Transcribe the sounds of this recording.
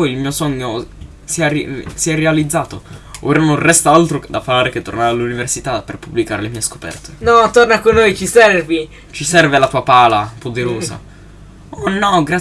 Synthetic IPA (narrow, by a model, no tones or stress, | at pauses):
pɔjilmiːosɔɲːo | siɛsiɛrealid̪zːaːt̪oo̰ɾononrɛst̪aalt̪ɾod̪afalaːɾeket̪ːornaːɾealːuniversit̪aperpubːlika̰ːɾelemiːesko̥pɛ̰rt̪e̥nɔt̪ornakonːojt͡ʃisɛrvi | t͡ʃisɛrvelat̪uːapaːlapod̪eɾoːza̰ | ɔnɔɡɾa